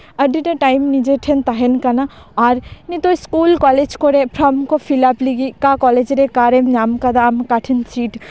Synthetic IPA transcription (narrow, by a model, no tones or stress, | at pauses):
ɐɖiʈeʈajmnid͡ʒeʈʰent̪aɦenkɐna | aːɾnit̪oskuːlkɔːled͡ʒkoɾepʰɾɐmkofʰilapliɡikakɔːled͡ʒɾekaɾemnamkɐd̪amkaʈʰinsiːʈ